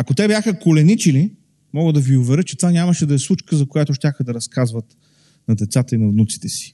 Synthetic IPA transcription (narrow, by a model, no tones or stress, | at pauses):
ɐkot̪ɛbʲjaxəkolɛnit͡ʃili | mɔɡəd̪ɐviʊvɛɾɤt͡ʃɛt̪vanʲaməʃɛd̪ɐɛslˠut͡ʃkəzɐkojat̪ʊʃtʲaxəd̪ɐɾɐskazvət̪ | nɐd̪ɛt̪sat̪əinɐvnut̪si̥t̪ɛsi̥